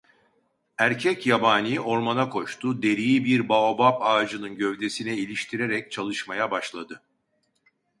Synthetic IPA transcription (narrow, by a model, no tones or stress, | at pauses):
æɾcʰɛcjabaːnijiʔo̞ɾmanakʰo̞ʃt̪ʰud̪e̞ɾijibiɾbaobapaːd͡ʒɯnɯnɟø̞vd̪e̞sinɛilʲiʃt̪ʰiɾe̞ɾɛc̚t͡ʃʰalˠɯʃmajabaʃlˠad̪ɯ